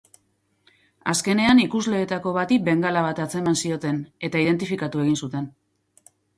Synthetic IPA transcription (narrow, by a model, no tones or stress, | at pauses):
a̰ske̞ne̞anikuzle̞ːt̪ako̞βat̪ibe̞ŋɡalaβat̪at͡se̞mansio̞t̪e̞ne̞t̪aið̞e̞nt̪̬ifikat̪ue̞ɣinsut̪e̞n